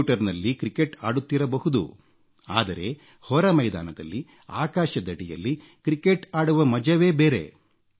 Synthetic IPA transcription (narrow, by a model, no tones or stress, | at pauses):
ʈɐɾnɐlːikɾikeʈa̰ːɽut̪ːiɾɐbɐhud̪ṵ | aːd̪ɐɾe̞ | hɔɾɐmɐjd̪a̰ːnɐd̪ɐ̰lːi | a̰ːkaːʃɐd̪ɐɽijɐ̰lːi | kɾikeʈaːɽuʋɐmɐd͡ʒɐʋe̞ːbeːɾe̞̰